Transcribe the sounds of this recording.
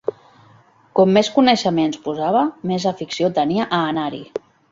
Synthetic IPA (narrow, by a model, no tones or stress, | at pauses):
kɔmːeskunəʃəmenspuzaβ̞əmezəfiksiot̪əniaʔaːnaɾḭ